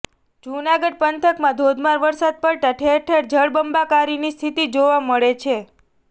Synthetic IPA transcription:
d͡ʒunaɡəɖ̚pənt̪ʰəkmãd̪ʱod̪ʱmaɾʋəɾsad̪̚pəɭt̪aʈʰeɾʈʰeɽd͡ʒəɭbəmbakaɾinist̪ʰit̪id͡ʒoʋaməɭet͡ʃʰe

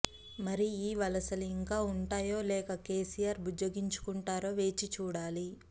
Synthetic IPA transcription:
mɐɾiiːʋɐlɐsɐluiŋkaːuɳʈaːjo̞ːlɛːkɐke̞ːsijaːɾbud͡ʒoɡiɲt͡ʃu̥kuɳʈaːɾo̞ːʋe̞ːt͡ʃit͡ʃuːɽaːli

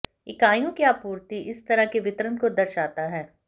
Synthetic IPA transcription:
ɪkaːjõkjaːpuːɾt̪iʔɪst̪ɐɾəɦkeʋɪt̪ɾənkod̪ɐɾʃaːt̪aɦɛː

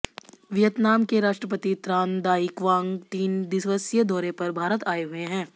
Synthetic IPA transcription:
ʋɪjət̪naːmkeɾaːʃʈɾəpət̪it̪ɾãːnd̪aːikʋãːŋɡt̪iːnd̪ɪsʋəsjəd̪ɔːɾepɐɾbʱaːɾət̪aːeɦʊeɦɛ̃ː

